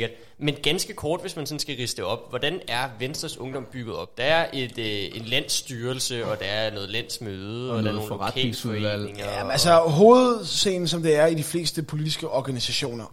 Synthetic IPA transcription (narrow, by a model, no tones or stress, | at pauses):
ɡɐd̥ | menɡ̥ænsɡ̥əkʰɒːd̥ʋe̝smænsɔ̽n̩sɡ̥æʁisəd̥eɒ̽b̥̚ʋɒd̥ænæɐʋensd̥ʁɐsɔ̽ŋd̥ɒ̽mb̥yɡ̥ð̞̩ˠɒ̽b̥̚d̥ɑ̈æɐʔe̝d̥e̝nlæn̰sːd̥yːɐl̩səɒ̽d̥ɑ̈æɐnɔ̽ːð̞̩ˠlæn̰smøːð̩ˠəɒ̥nːðofɒʁɑd̥ne̝ŋsuʋæl̰eŋɐælsɐɦo̝ːð̩ˠse̝̰ːn̩sɒ̽md̥e̝æɐidifle̝̰ːsd̥əpʰo̝lid̥isɡ̥əʔɒɡ̥ænisæɕo̝̰ːnɐ